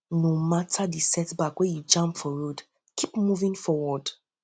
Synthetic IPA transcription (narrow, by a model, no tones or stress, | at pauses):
nomatʰadisɛtbakwejud͡ʒãmpfɔɹod | kʰipmuvĩŋfɔwɔd̥